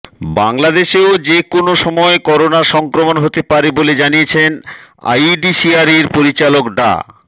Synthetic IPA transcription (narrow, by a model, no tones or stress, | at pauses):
baŋlad̪eʃeod͡ʑekonoʃɔmɔekɔɾonaʃɔŋkɾomonɦot̪epaɾeboled͡ʑaniet͡ɕʰena̰jɖiʃiaɾiɾpoɾit͡ɕalokɖa̰